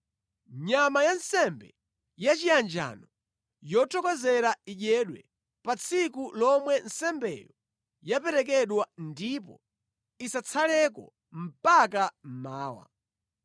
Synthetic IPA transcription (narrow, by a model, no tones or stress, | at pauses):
ɲamajansɛmbɛ | jat͡ʃiand͡ʒa̰nɔ | jɔtʰɔkɔzɛɾaiʄɛɗwɛ | pat͡sʰikulɔmwɛnsɛmbɛ̰jɔ | japɛɾɛk̬ɛɗwandipɔ̰ | isat͡sʰalɛkɔ̰ | m̩pakam̩maːwa̰